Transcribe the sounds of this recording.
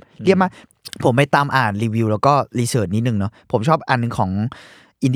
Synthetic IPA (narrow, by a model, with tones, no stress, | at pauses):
li˥˩əp̚maː˥˩k̚ | pʰo˩˦mpa˧jt̪aː˧mʔaː˨˩nɾiː˧wiː˧wlɛː˦˥wkɔː˥˩liː˧sɤː˨˩t̪̚ni˦˥t̪̚nɯ˨˩ŋnɔ˦˥pʰo˩˦mt͡ɕʰɔː˥˩p̚ʔaː˨˩nːɯ˧ŋkʰɔː˩˦ŋ | ʔi˧nd